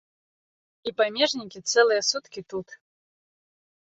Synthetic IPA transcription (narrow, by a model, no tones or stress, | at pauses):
ipamʲɛʐnʲikʲit̪sɛlˠɨjɛsut̪kʲit̪ut̪